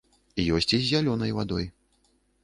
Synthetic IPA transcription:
jɔsʲt͡sʲizʲːalʲɔnɐjvad̪ɔj

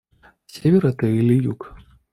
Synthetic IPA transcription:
sʲevʲɛɾɐt̪ɨilʲijuk

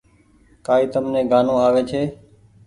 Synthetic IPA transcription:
kaːiːt̪əmnẽːɡaːnõːaːʋeːt͡ʃʰeː

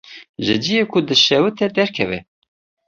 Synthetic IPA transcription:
ʒɨ̰d͡ʒijekʰud̪ɨʃɛwɨt̪ʰɛd̪ɛɾkʰɛvɛ̰

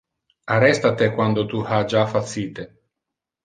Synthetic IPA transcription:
arɛst̪at̪ekwand̪ot̪uhad͡ʒafat̪sːiːt̪e

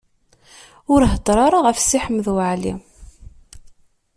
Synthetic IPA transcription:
ʊɾɦəd̪ˤɾˤɑɾˤaʁəfsiħəmːðwəʕlḭ

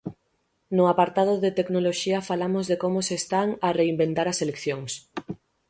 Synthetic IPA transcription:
nʊapaɾt̪aðʊðet̪eknoloʃiɐfalamozðekomʊsest̪aŋareimbent̪aɾɐselekθjoŋs

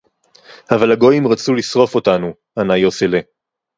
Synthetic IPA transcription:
havalhaɡo̞jimʁat͡sulisʁo̞fo̞tanu | anajo̞sele

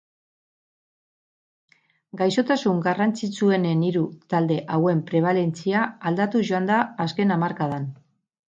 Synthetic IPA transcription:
ɡajso̞t̪asuŋɡarant͡sit͡sue̞ne̞niɾut̪ald̪e̞ʔawe̞mpɾe̞β̞ale̞nt͡siaːld̪at̪uʝo̞and̪aːske̞namaɾkað̞an

